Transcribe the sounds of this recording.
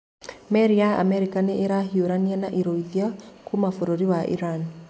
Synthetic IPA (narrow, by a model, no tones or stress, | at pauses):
mɛɾiaa̰mɛɾikaneʔeɾaɦioɾanianaʔiɾoiðiakumafoɾoɾiwaʔḭɾan